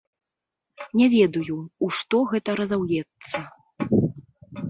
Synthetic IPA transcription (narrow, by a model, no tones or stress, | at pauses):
nʲɛvʲɛd̪ujuuʂt̪ɔɣɛt̪ɐɾɐzawjɛt̪sːɐ